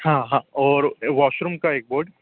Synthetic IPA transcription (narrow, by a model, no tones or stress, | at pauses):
hãːɦãɔːɾʋaːʃɾumkaeːk̚boːɖ